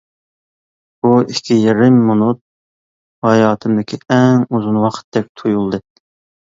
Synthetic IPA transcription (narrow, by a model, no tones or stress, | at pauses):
buikʲʰːijeɾɪmːunut̪̚ | hɑjɑːt̪ʰɨmd̪ɪkʲʰiɛŋuzunwɑqʰə̥t̪d̪ɛk̚ʲt̪ʰojulˠd̪ɨ